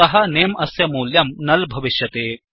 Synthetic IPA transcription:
ɐɦɐneːmɐsjɐmuːljɐmnɐlbʱɐʋiʃjɐt̪eː

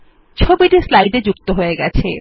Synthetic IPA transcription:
t͡ɕʰobiʈislajɖ̪ed͡ʑuk̚t̪oɦoeɡɛt͡ɕʰḛ

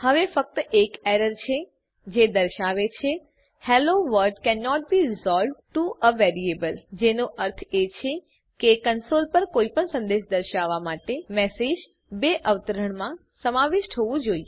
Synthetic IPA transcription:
həʋefək̚t̪əʔekeɾəɾt͡ʃʰe | d͡ʒed̪əɾʃaʋet͡ʃʰe | hɛloʋəɾɖkɛnːɔʈ̚biɾɪzɔlɖʈuʔəʋɛɾiebəld͡ʒenoʔəɾt̪ʰet͡ʃʰe | kekənsolpəɾkoipəɳsə̃nd̪eʃd̪əɾʃaʋːamaʈemɛsed͡ʒ | beʔəʋt̪əɾəɳ̃mã | səmaʋɪʃʈ̪ʰoʋũd͡ʒoie

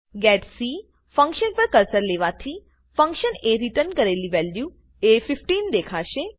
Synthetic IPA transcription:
ɡɛːʈsiː | fə̃ŋkʃənpəɾkəɾsəɾleːʋat̪ʰi | fə̃ŋkʃəneɾɪʈəɾnkəɾeːliʋɛːlju | eːfɪfʈiːnd̪eːkʰaːʃe

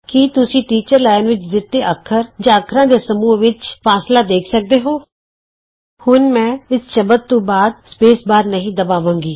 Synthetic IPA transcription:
kit̪ʊsĩːʈiːt͡ʃəɾlaːɪnʋɪt͡ʃd̪ɪt̪ːeːʔəkʰːəɾd͡ʒãːəkʰɾãːd̪eːsəmuːʋɪt͡ʃpʰaːslaːd̪eːkʰsək̚d̪eːɦoː | hʊnmɛ̃ːɪsʃəbət̪ːõːbaːd̪̚speːsbaːɾnəɦĩːd̪əbaːʋãːŋɡiː

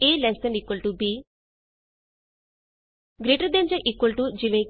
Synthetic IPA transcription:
eːlɛsə̃nɖikːwəlʈubiː | ɡɾeːʈəɾd̪ẽɲd͡ʒəʔikːwəlʈud͡ʒiʋẽː

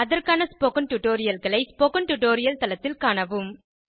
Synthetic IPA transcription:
ɐðɐrkaːnɐspokɐnʈʊʈoːɾɪjɐlɣɐɭɐɪspokɐnʈʊʈoːɾɪjɐlt̪ɐlɐt̪ːɪlkaːɳɐʋɯm

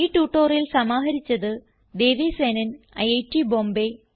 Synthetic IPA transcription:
iːʈuːʈːoːrilsɐmaːɦɐɾit͡ɕːɐðɨ | d̪e̞ːʋisenɐn | ɐ̰jejtːibo̞ːmbe

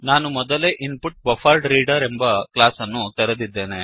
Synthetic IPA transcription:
naːnumɔd̪ɐleːʔinpuʈbɐfʰaːɾɖɾiːɖɐɾembɐklaːsɐnːut̪ɐɾed̪id̪ːe̞ːne̞

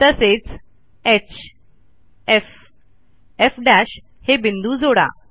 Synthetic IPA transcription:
t̪əset͡s | et͡ɕʰ | ef | efɖæɕ | hebind̪uːd͡zoɽa̰

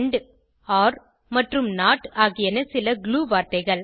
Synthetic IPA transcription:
ɳɖ | aːɾ | mɐʈrɯmnaːʈaːɣɪjɐnɐsɪlɐɡɭuːʋaːɾt̪ɐɪɣɐɭ

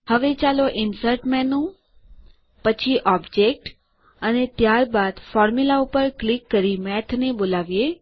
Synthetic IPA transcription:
həʋet͡ʃaloʔɪnsəɾʈmɛ̃nũ | pət͡ʃʰiʔɔbd͡ʒek̚ʈ | ənet̪jaɾbad̪fɔɾmulaupəɾklikːəɾimɛt̪ʰnebolaʋje

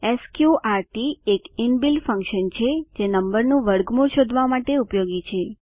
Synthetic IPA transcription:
eskjuaɾʈiekinbilfə̃ŋkʃənt͡ʃʰed͡ʒenəmbəɾnũʋəɾɡmuɾʃod̪ʱʋamaʈeupjoɡit͡ʃʰe

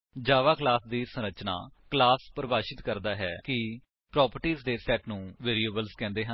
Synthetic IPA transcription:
d͡ʒaːʋaːklaːsd̪iːsə̃nɾət͡ʃna̰ːklaːspɾəbaːʃɪt̪kəɾd̪aːɦɛːkɪ | pɾɔːpəɾʈiːzd̪eːsʈɛːʈnũːʋeːɾieːbəlzkɛ̃ːnd̪eːɦən

